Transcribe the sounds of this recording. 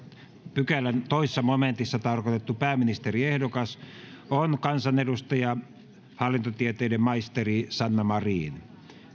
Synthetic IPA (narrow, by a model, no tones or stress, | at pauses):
pykælːænt̪oisesːɑmoment̪isːɑt̪ɑrkot̪et̪ːupæːminist̪eriehdokɑsonkɑnsɑnedust̪ɑjɑ | hɑlːint̪ot̪iet̪eˑidemmɑist̪erisɑnːɑmɑriːn